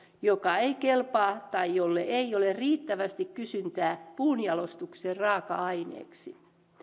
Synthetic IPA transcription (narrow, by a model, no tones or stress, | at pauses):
jokɑeikelpɑːt̪ɑijolːeʔeioleriːt̪ːæʋæst̪ikkysynt̪æːpuːnjɑlost̪ukseːrrɑːkɑɑinḛːksi